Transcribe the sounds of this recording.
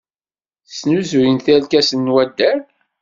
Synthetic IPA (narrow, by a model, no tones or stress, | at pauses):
snuzujənθælkæsənːwæd̪ːæɾ